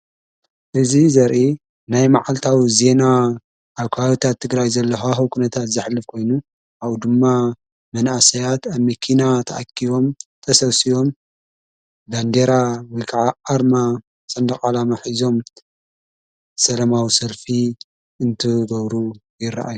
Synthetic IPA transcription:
ʔɨzizɐɾʔi | najmaʕalt̪ʰawize̞na | ʔaβkʰɐawit̪ʰat̪ʰːɨɡɾajzɐlːɐxaxukʰunɐt̪ʰat̪zɨħlːɨfkʰo̞jnu | ʔaβd̪ɨmːa | mɐnasɐjat̪aβmɐkʰinat̪ʰɐʔakʰːiβo̞mt̪ʰɐsɐβsijo̞m | band̪eɾawɔjkʰaʕaaɾma | sʼɐnd̪ɐχʼalamaħizo̞m | sɐlɐmawisɐlfi | ɨnt̪ʰɨɡɐβɾujɪɾːa̰ʔa̰jːu

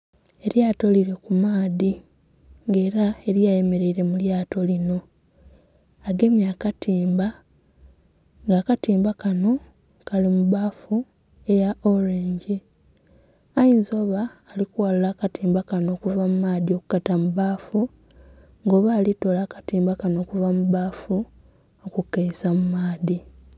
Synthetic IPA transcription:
e̞ɾjaːto̞liɾe̞kumaːði | ŋɡe̞ːɾae̞ɾjaːje̞me̞ɾe̞iɾe̞muljaːto̞lino̞ | aɡe̞mjakatiːmba | ŋɡaːkatiːmbakano̞ | kalimuβaːfu | e̞jaʔoɾeːɲɟi | ajiːnzo̞ːβaːlikuwallaːkatiːmbakano̞ːkuvamumaːðio̞ku̥katamuβaːfu | ŋɡo̞ːβaːlito̞laːkḁtiːmbakano̞ːkuvamuβaːfu | okukːeisamumaːði

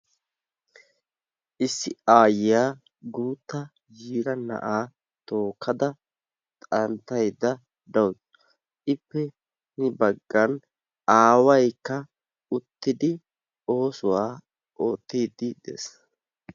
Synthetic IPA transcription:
ʔɪsːɪaːjɪjaː | ɡuːt̪ːɐ | d͡ʒiːɾɐnɐ̰ʔaː | t̪o̞ːkʰːɐd̪ɐ | t̪ʼɐnt̪ːɐjd̪ɐ | d̪ɐw | ʔɪpːɛ | nɪbɐɡːɐn | aːwɐjkːɐ | ʊt̪ːɪd̪ɪ | o̞ːsʊwaː | ʔo̞ːt̪ːiːd̪ɪd̪ɛ̰s

